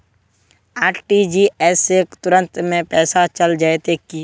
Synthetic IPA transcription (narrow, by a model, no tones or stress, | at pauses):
aːɾʈid͡ʒiːɛsekt̪ʊɾə̃nt̪mẽpɛːsat͡ʃɐld͡ʒaet̪eki